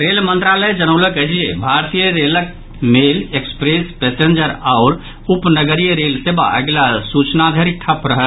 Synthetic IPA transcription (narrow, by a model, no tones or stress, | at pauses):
ɾelmə̃nt̪ɾaləjd͡ʒənəʊləkəɦd͡ʒijḛbʱaɾt̪ijəɾelək̚ | melekspɾespesend͡ʒəɾaʊɾ | upnəɡəɾijəɾelseba̰ʔə̰ɡlasut͡ʃnad̪ʱəɾiʈʰəpɾəɦə